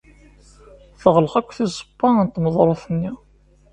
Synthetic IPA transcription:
θəʁləχækʷːθisˤə̥bːɑnt̪ːməðˤɾˤoθənːi

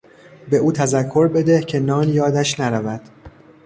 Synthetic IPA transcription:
be̞ʔuːt̪ʰæzækʰːo̞ɾbe̞d̪ehcʰe̞nɒːnjɒːd̪æʃnæɾævæd̪̥

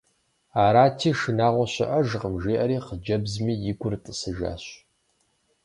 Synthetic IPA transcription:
aːɾaːtʰiːʃɨnaːʁʷɔɕɪ̰ʔɐʒʁəmʒeːʔɐɾiːqəd͡ʒɐbzmiːjɪɡʷʊrtʼɨsɨʒa̰ːɕ

